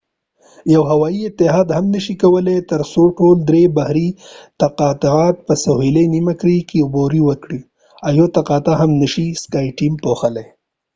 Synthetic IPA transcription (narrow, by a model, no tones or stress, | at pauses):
jawɦawɑiɪt̪ːɪɦɑd̪hamnəʃikawəlet̪əɾsoʈold̪ɾebahɾit̪aqɑt̪ɑt̪̚pəsaɦilenimakɽikeuboɾiwəkɽi | awjot̪aqɑt̪aɦamnəʃiskɑjʈimpoxəle